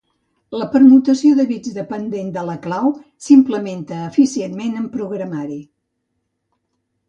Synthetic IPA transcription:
ləpəɾmut̪əsioðəβid͡zðəpənd̪end̪ələklawsimpləment̪əːfisienmenəmpɾuɣɾəmaɾi

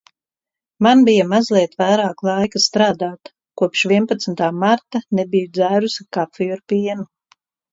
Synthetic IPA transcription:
manbijamazliɛt̪vajɾaːklˠajkast̪ɾaːd̪aːt̪ | kuɔpʃvʲiɛnpat̪smnt̪aːmaɾt̪anɛbijud̪zæːɾusakaffijaɾpiɛnu

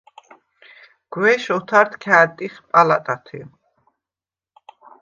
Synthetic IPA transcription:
ɡ̥wɛʃɔt̪ʰaɾt̪kʰɛːt̪ʼiχpʼalat̪ʼat̪ʰi

